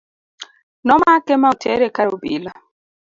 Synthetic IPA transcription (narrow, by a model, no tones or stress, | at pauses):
nɔmakematʰɛɾekaɾobḭla